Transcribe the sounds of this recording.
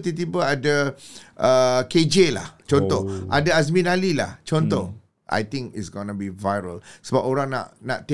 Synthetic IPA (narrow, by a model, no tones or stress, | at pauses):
t̪it̪̬ibəadaʔəked͡ʒela̰ht͡ʃɔnt̪ɔhʔa̰daazmĩnalila̰ht͡ʃɔnt̪ɔh | ʔa̰jt̪ɪ̃ŋkḭtsɡonəbivajɾə̰lsəbap̚oɾãŋna̰ʔnaʔt̪